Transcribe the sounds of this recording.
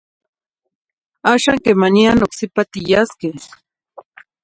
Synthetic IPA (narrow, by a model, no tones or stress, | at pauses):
aʃaŋkemanianoksɪpat̪ɪjaskɪ